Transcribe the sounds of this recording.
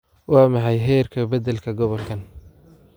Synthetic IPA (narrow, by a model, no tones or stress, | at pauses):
wɑːmɑħɑjɦɛːrkʰɐbɐd̪ɛlkʰɐɡɔβɔlkʰɐn